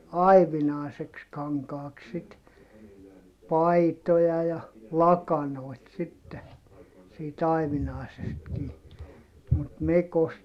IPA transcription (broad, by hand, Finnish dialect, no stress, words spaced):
ɑi̯ʋinɑˑi̯seks kɑŋkɑːks sit pɑitojɑ jɑ lɑkɑnoˑi̯t sitːe siːt ɑiʋinɑˑi̯sestkiː mut mekost